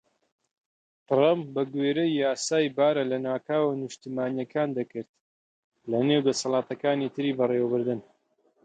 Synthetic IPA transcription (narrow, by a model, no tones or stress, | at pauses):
t̪ɨɾamp̚bɐɡweːɾɐjːaːsaːjbaːɾɐlɐnaːkʰaːwanɨʃt̪imaːnijɐkʰaːnd̪ɐkɨɾt̪̚ | lɐnewd̪ɐsɐlɑːt̪ɐkaːnit̪ʰɨɾiːbɐrewɐbɨɾd̪ɨn